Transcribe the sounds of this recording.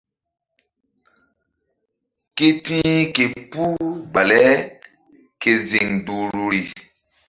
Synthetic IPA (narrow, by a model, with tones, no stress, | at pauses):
ke˦tĩː˦ke˨pu˦ba˨lɛ˨˦ | ke˨zi˨ŋdu˨ɾu˨ɾi˨